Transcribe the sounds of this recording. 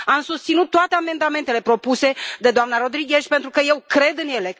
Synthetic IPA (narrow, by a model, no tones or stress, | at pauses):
amsust̪sinut̪̚ːoat̪e̞ame̞nd̪ame̞nt̪e̞le̞pɾo̞puse̞d̪e̞d̪oamnaɾo̞d̪ɾiɡʲe̞ʃʲpe̞nt̪ɾukəje̞wkɾe̞d̪ɨnjele̞